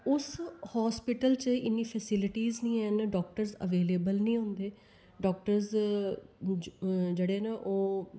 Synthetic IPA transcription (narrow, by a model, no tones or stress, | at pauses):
ʊshɔːspɪʈəlt͡ʃəʔɪnːĩːpʰɛːsɪlɪʈiːznĩːɛːnɖɔːk̚ʈəɾzə̰ʋeːleːbəlnĩːɦʊ̃nd̪eː | ɖɔːk̚ʈəɾz | d͡ʒeːɽeːneʔoː